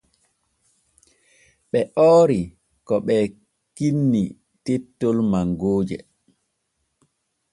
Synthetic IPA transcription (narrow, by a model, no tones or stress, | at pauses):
ɓɛʔɔːɾi | kɔɓɛ | kinːi | tetːolmaŋɡoːd͡ʒɛ̰